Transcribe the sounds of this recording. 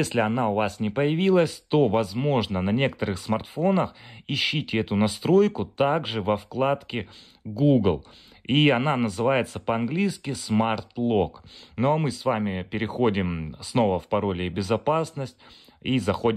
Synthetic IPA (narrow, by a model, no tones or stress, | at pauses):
esʲlʲɪɐnaʊvasnʲɪpəjɪvʲilˠəsʲt̪o̞vɐzmo̞ʐnənɐnʲe̞kə̥t̪əɾɨxsmɐrt̪fo̞nəxɪɕːitʲɪɛt̪ʊnɐst̪ɾo̞jkʊt̪aɡʐɨvɐfklˠat̪kʲɪ | ɡuɡlˠ | iɐnanəzɨvajɪt̪səpəɐnɡlʲijskʲɪsmart̪lˠo̞knomɨsvamʲɪpʲɪɾʲɪxo̞dʲɪmsno̞vəfpɐɾo̞lʲɪɪbʲɪzɐpasnəsʲtʲ | izɐxo̞dʲ